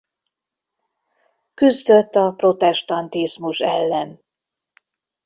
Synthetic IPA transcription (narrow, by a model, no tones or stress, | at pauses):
kyzd̪øt̪ːɒpro̞t̪ɛʃt̪ɒnt̪izmuʃɛlːɛn